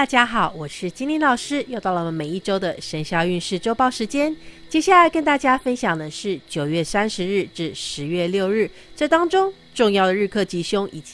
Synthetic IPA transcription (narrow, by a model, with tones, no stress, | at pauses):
t̪a˥˧˩t͡ɕja˥xɑ˨˩˦ʊwɔ˨˩ʂɻ̩˥˩t͡ɕi˥nli˥˩nlɑ˨˩ʊʂɻ̩˥jɑ˥˧t̪ɑ˥˩ʊlə˨˩mə˩nme˨˩ɪi˥˩ʈ͡ʂo˥ʊd̪ə˨ʂə˧˥nɕjɑ˧˥ʊy˥˧nʂɻ̩˥˩ʈ͡ʂo˥ʊpɑ˥˩ʊʂɻ̩˧˥t͡ɕjɛ˥nt͡ɕjɛ˥ɕja˥˩la˧ɪkə˥˧nt̪a˥˩t͡ɕja˥fə˥nɕjɑ˨˩ŋd̪ə˦ʂɻ̩˥˩t͡ɕjo˨˩ʊɥɛ˥˩sa˥nʂɻ̩˧˦ɻɻ̩˥˧ʈ͡ʂɻ̩˥˩ʂɻ̩˧˥ɥɛ˥˧ljo˥˧ʊɻɻ̩˥˩ | ʈ͡ʂɤ˥˩t̪ɑ˥ŋʈ͡ʂʊ˥ŋ | ʈ͡ʂʊ˥˧ŋjɑ˥˩ʊd̪ə˩ɻ̩˥˧kʰɤ˥˩t͡ɕi˧˥˩ɕʊ˥ŋʔi˨˩t͡ɕ